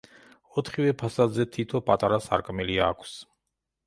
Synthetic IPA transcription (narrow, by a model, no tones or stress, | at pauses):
ɔt̪ʰχivɛpʰasad̪zɛt̪ʰit̪ʰɔpʼat̪ʼaɾasa̰ɾkʼmiliakʷʰs